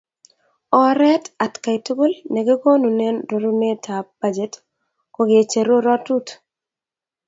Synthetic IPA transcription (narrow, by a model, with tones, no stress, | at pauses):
ɔ˨ɾɛ˦ta˨tka˨i˨tu˦ɡu˦lne˨ɡɪ˦ɡo˦nu˨ne˦nɾo˨ɾu˦ne˦tʰa˨b̥a˦d͡ʒe˦t | ko˨ɡɪ˨e˨t͡ʃe˨ɾo˦ɾɔ˦tu˦t